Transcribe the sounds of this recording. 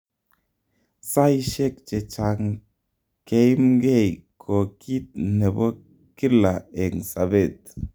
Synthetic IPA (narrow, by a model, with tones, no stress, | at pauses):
sa˦jʃe˦k̚t͡ʃe˨t͡ʃa˨ŋ | ke˦jmɡe˦˨jkʰo˨ki˦t̪̚ne˨bo˦ | ki˦la˨e˨sa˨be˦˨t̪̚